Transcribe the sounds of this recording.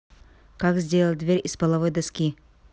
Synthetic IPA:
kakzʲdʲelˠəlˠʲd̪vʲeɾʲɪspəlˠɐvojd̪ɐskʲi

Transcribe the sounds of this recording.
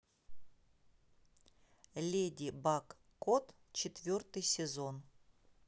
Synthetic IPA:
lʲedʲibakː | ot̪ | t͡ɕɪt̪vʲort̪ɨjsʲɪzo̞n

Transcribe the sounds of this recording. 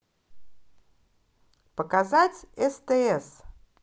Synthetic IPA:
pəkazatʲɛst̪ɛɛs

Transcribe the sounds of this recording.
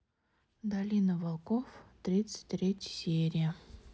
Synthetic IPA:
d̪ɐlʲinəvɐlˠkoft̪ɾʲit̪sɨ̥t̚ʲt̪ɾʲetʲsʲeɾʲɪjə

